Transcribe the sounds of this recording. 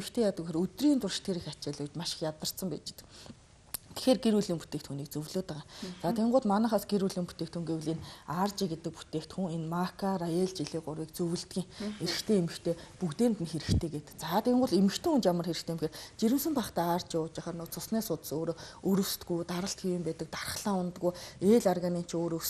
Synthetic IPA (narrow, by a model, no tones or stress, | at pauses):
emɘ̆xt̪ʰeːjat̪ə̆kxeɾɵt̪riːnt̪ʊrʃt̪ɡeːɾixat͡ɕɪːɮʊːt͡ɕmaʃɪ̥̆xjat̪ə̆r̥t̪sə̆mpæ̰ːt͡ɕt̪ɘ̥̆ | t̪ʰe̥xeːrɡeɾuɮiːmpu̥t̪eːkt̪xuniːk̚t͡sɵwɮoːt̪aʁaːt͡saːt̪ʰeɴɢʊːɮmanăːχaːsɡeɾuɮiːŋmput̪eːkt̪xuŋɡewɘ̆ɮenart͡ɕɪkɡet̪ɘ̆k̚pu̥t̪ʰeːkt̪xuŋenmakʰarajeɮt͡ɕiɮiːɢʊɾwiːkt͡sɵwɘ̆ɬt̪ɡʲiːŋxeɾɘ̆kt̪ʰeːemɘ̆xt̪ʰeːpukt̪eːnt̪ɘ̆nxeɾɘ̆kt̪ʰeːɡet̪ɘ̆kt͡saːt̪ʰeɴɢʊːɮemɘ̆xt̪ʰeːŋunt͡ɕamə̆rxeɾɘ̆xt̪ʰeːmxeːrt͡ɕiɾɘ̆msɘ̆mpaχt̪æːaːrt͡ɕɪʊːt͡ɕaχə̆rnʊt͡sʰʊsnæːsʊt̪soːɾoːɵɾɵ̆wst̪ɡujt̪aɾə̆ɬt̪ɡijə̆mpæːt̪ə̆k̚t̪arə̆χɮaːʊnt̪ɡuːeːɮɔrɣanin̥t͡ɕoːɾɵs